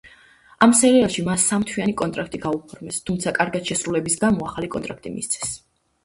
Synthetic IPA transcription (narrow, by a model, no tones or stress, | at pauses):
amsɛɾialˠʃimasːamt̪ʰwianikʼɔnt̪ʼɾakʰt̪ʼiɡaupʰɔɾmɛst̪ʰumt̪sʰakʼaɾɡat̪ʃɛsɾulɛbisɡamɔaχalikʼɔ̰nt̪ʼɾak̚ʰt̪ʼimḭst̪sʰɛ̥s